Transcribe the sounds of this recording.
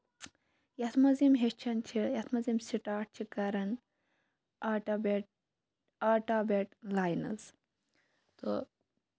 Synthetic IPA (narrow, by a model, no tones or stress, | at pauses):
jɐt̪ʰmɐzimɦeʃt͡ʃʰɐnt͡ʃʰijɐt̪ʰmɐzimsiʈaːʈ̚t͡ʃʰikɐɾɐn | aʈabeʈ̚ | aʈaːbeʈlaːjnɐ̰z | t̪o̰